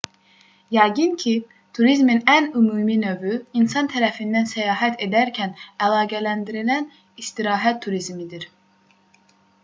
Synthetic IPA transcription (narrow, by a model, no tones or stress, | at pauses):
jæɡɯncʰi | t̪ʰuɾizminænymuːminøvyinsɑnt̪ʰæɾæfind̪ænsæjɑːɦæt̪ʰe̞d̪æɾcʰænælˠɑːɡælænd̪iɾilæn | ist̪iɾɑːɦæt̪ʰːuɾizmid̪iɾ